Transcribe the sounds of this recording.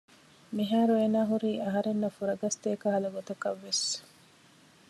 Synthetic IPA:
miɦaːɾuenaːɦuɾiːʔɐɦɐɾenːɐfuɾɐɡɐst̪eːkɐɦɐlɐɡot̪ɐkɐʋːes

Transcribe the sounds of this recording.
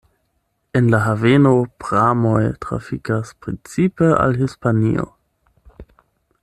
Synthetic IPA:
enlaɦavenopʁamojtɾa̰fikaspɾint͡sipəa̰lɦispanḭo̰

